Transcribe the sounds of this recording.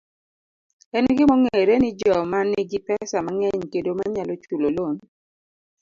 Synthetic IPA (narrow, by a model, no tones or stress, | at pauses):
ɛnɡɪmɔŋeɾenɪd͡ʒɔmanːɪɡɪpɛsamaŋɛɲkedomaɲalɔt͡ʃulolon